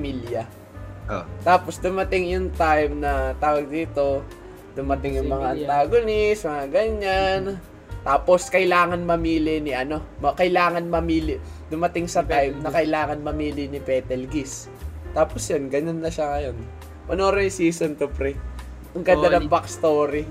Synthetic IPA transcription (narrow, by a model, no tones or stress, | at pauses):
miljɐ | t̪aːposd̪ʊmɐt̪ɪŋjʊŋt̪ajmnɐt̪aːwɐɡ̚d̪iːt̪o̞ | d̪ʊmɐt̪ɪŋjʊŋmɐŋaʔɐnt̪aɡonɪsmɐŋaɡɐɲːan | t̪aːpo̞skɐʔɪlaːŋɐnmɐmiːlɪnɪʔɐno̞mɐkɐjlaːŋɐnmɐmiːlɪd̪ʊmɐt̪ɪŋsɐt̪ajmnɐkɐʔɪlaːŋɐnmɐmiːlɪnɪpɛːt̪ɛlɡis | t̪aːposjonɡɐnonːɐʃaŋɐjo̞n | mɐnoːɾɛjsiːsont̪ʊpɾi | ʔɐŋkɐɐnɐmbɐkst̪oːɾi